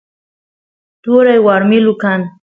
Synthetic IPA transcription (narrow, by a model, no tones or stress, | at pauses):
t̪uɾajwaɾmilukan